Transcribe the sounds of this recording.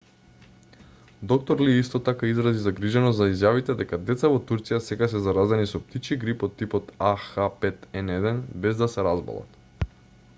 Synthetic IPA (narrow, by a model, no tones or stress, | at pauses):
d̪ɔk̚t̪ɔɾliist̪ɔt̪akaizɾazizaɡɾiʒɛnɔszaizjavit̪ɛd̪ɛkad̪ɛt̪savɔt̪uɾt̪sijasɛɡas̬ɛzaɾazɛnisɔp̚t̪it͡ʃiɡɾipɔt̪ːipɔt̪axapɛt̪ɛnɛd̪ɛnbɛzd̪asɛɾazbɔ̰lˠa̰t̪